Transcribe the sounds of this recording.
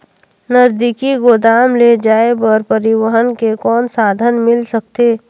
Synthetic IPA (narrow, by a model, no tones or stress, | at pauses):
nəzd̪ɪkiɡod̪aːmled͡ʒaːebɔɾpəɾɪwəɦənkekɔːnsaːd̪ʱənmɪlsək̚t̪eː